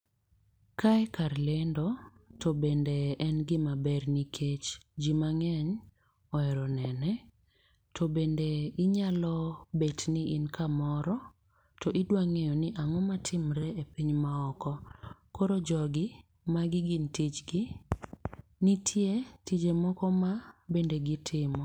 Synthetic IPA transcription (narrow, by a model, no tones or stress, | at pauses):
kaɛkaɾlendɔtʰɔbendeɛnɡɪmabɛrnikʰet͡ʃd͡ʒimaŋɛɲ | ɔɛɾɔnɛnɛ | tʰobendeɪɲalɔbetniʔinkʰamɔɾɔ | tʰɔʔɪdwaŋejɔnɪʔaŋɔmatʰɪmɾɛepiɲmaɔkɔkoɾod͡ʒɔɡɪ | maɡɪɡintit͡ʃɡɪ | nitʰjetid͡ʒemɔkɔmabendeɡɪtʰɪmɔ